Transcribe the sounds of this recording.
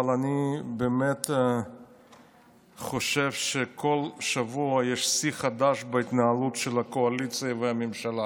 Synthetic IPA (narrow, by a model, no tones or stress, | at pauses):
alanibeːmet̪ | χoʃevʃekʰo̞lʃavuɐjeʃsiχad̪aʃbeit̪naalut̪ʃelakoalit͡sɨjaveamimʃala